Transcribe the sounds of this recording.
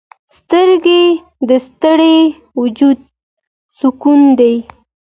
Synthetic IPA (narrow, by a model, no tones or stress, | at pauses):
st̪əɾɡe | d̪əst̪əɽe | wʊd͡ʒud̪̚ | sukund̪aj